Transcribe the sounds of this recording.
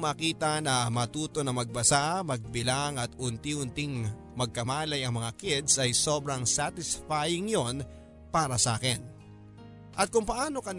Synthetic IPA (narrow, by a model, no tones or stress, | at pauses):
maːkiːt̪ɐnɐmɐt̪uːt̪o̞nɐmɐɡ̚bɐsamɐɡ̚bɪlaŋɐt̪ʊnt̪iʔʊnt̪ɪŋ | mɐɡ̚kɐmaːlɐjɐŋmɐŋakɪd̪sɐjso̞bɾɐŋsat̪ɪsfajɪŋjon | paːɾɐsɐa̰ːkɛn | ʔɐt̪̚kʊŋpɐʔaːno̞kɐn